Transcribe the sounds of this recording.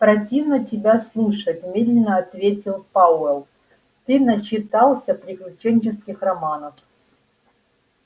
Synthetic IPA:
pɾɐtʲivnətʲɪbʲaslˠuʂətʲmʲed̪lʲɪnːəɐt̪vʲetʲɪlˠpaɛlˠ | t̪ɨnət͡ɕɪt̪alˠsʲəpɾʲɪklʲʉt͡ɕenʲt͡ɕɪskʲɪxrɐmanəf

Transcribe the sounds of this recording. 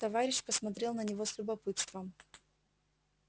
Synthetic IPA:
t̪ɐvaɾʲɪɕpəsmɐt̪ɾʲe̞lˠnənʲɪvo̞sʲlʲʊbɐpɨt̪st̪vəm

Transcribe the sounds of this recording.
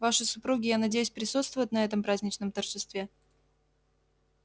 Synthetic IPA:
vaʂɨsʊpɾuɡʲɪjanɐdʲejʊsʲpɾʲɪsut̪st̪vʊvjʊt̪ʲnɐɛt̪əmpɾazʲnʲɪt͡ɕnəmt̪ərʐɨst̪vʲe

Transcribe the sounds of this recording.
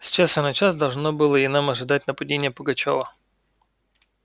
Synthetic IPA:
sʲt͡ɕasənɐt͡ɕasd̪ɐlˠʐnobɨlˠəɪnamɐʐɨd̪at̚ʲnəpɐdʲenʲɪjəpəɡɐt͡ɕovə

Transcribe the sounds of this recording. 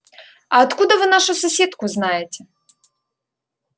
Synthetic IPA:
ɐɐt̪kud̪əvɨnaʂʊsɐsʲet̪kʊznajɪtʲɪ

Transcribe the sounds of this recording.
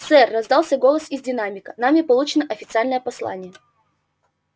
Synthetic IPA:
sɛrːɐzd̪alˠsʲəɡo̞lˠəsɪzʲdʲɪnamʲɪkənamʲɪpɐlˠut͡ɕɪnəʔɐfʲɪt̪sɨalʲnəjəpɐslˠa̰nʲɪjə

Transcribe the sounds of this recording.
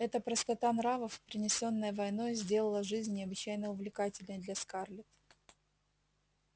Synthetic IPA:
ɛt̪əpɾəst̪ɐt̪anɾavəfpɾʲɪnʲɪsʲo̞nːəjəvɐjno̞jzʲdʲe̞lˠəlˠəʐɨzʲnʲnʲɪɐbɨt͡ɕːæjnəʊvlʲɪkatʲɪlʲnəjd̪lʲɐskarlʲɪt̪

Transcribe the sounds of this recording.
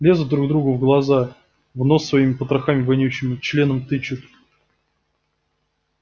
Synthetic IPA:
lʲe̞zʊd̪̚d̪ɾuɡ̚d̪ɾuɡʊvɡlˠɐza | vnosːvɐimʲɪpət̪ɾɐxamʲɪvɐnʲjuɕːɪmʲɪt͡ɕlʲenəmt̪ɨt͡ɕɪt̪

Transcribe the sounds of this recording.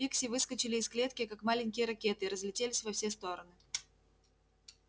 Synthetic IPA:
iksʲɪvɨskət͡ɕɪlʲɪːsklʲe̞t̪kʲɪkakmalʲɪnʲkʲɪjəɾɐkʲe̞t̪ɨɪɾəzlʲɪtʲelʲɪsʲvɐfsʲest̪o̞ɾənɨ

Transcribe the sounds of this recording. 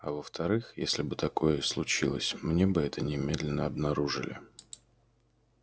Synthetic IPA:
ɐvəft̪ʰɐɾɨxjesʲlʲɪbɨt̪ɐko̞jəslˠʊt͡ɕilˠə̰sʲmnʲe̞bɨɛt̪ənʲɪmʲed̪lʲɪnːəɐbnɐɾuʐɨ̰lʲɪ̰

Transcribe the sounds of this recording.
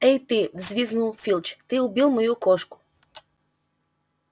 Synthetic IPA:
ɛjt̪ɪvzʲvʲiznulˠfʲilʲˠt͡ɕt̪ɨʊbʲilˠmɔjukɔʃkʊ̥

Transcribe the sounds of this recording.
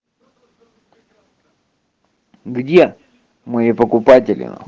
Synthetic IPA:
ɡdʲe | mɨjipəkʊpatʲɪlʲɪ̰nə̰

